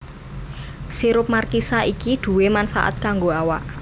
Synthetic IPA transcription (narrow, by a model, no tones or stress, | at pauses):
siɾʊp̚markisaikid̪̥ṳwemanfa̰ʔa̰t̪̚kaŋɡoawaʔ